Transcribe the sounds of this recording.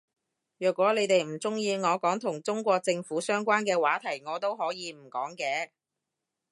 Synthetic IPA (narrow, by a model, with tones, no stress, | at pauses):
jœː˨kʷɔː˨˥le˨˧jt̪e˨jm̩˨˩t͡sʊ˥ŋjiː˧ŋɔː˨˧kɔː˨˥ŋt̪ʰʊ˨˩ŋt͡sʊ˥ŋkʷɔː˧k̚t͡sɪ˧ŋfuː˨˥sœː˥ŋkʷaː˥nkɛː˧waː˨˥t̪ʰɐ˨˩jŋɔː˨˧t̪o˥wɦɔː˨˥jiː˨˧m̩˨˩kɔː˨˥ŋkɛː˨˧